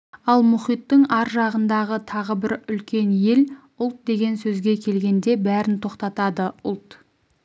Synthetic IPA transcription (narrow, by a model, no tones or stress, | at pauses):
ɑlˠmʊχijt̪ːəɴɑɾʒɑʁənd̪ɑʁət̪ʰɑʁəbɪɾʏlkʲe̞nje̞l | ʊlˠt̪̚d̪e̞ɡʲe̞nsɵzɡʲe̞kʲʰe̞lɡʲe̞nd̪e̞bæɾɪnt̪ʰo̞qt̪ɑt̪ɑd̪əʊlˠt̪